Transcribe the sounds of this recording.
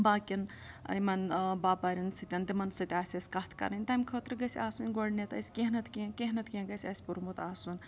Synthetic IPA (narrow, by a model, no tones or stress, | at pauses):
baːkʲin | ɐ̰jmɐnbaːpɐɾʲɐnsɨt̪ʲɐnd̪imɐnsɨt̪ʲaːsʲɐsʲkɐht̪ʰkɐ̰ɾɐnʲt̪ɐmʲkʰət̪ɾɨɡɐsʲaːsunʲɡoɽnet̪ɐ̰sʲkeɦnɐt̪ʰkĩkeɦnɐt̪ʰkʲĩɡɐsʲɐsʲpuɾmut̪aːsunʲ